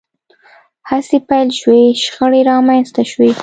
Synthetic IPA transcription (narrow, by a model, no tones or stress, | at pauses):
hasepajlʃweʃxəɽeɾɑmajnst̪aʃwe